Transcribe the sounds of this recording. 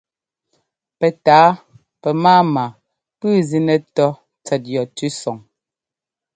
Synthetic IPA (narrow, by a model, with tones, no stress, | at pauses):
pɛ˨taː˨˦ | pɛ˨maː˦ma˨ | pʉː˦zi˦nɛ˨tɔ˦ | t͡sɛ˨t̚jɔ˨tʉ˦sɔ˨ŋ